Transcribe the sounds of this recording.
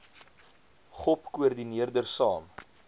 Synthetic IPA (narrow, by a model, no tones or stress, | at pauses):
χɔpkuərdiniərdərsɑːm